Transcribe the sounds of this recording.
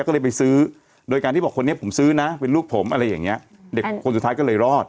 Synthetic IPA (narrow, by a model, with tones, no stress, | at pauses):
kɔ˥˩lɤː˧jpa˧jsɯː˦˥ | doː˧jka˧t̪iː˥˩bɔ˨˩kʰo˧nːi˥ɐ˩pʰo˩˦msɯː˦˥na˦˥pe˧nluː˥˩k̚pʰo˩˦mʔa˧ɾa˧jːa̰˨˩ŋːni˦˥ɐ | de˨˩kʰo˧nsu˨˩t̪ʰaː˦˥jkɔː˥˩lɤː˧jɾɔː˥˩t̪̚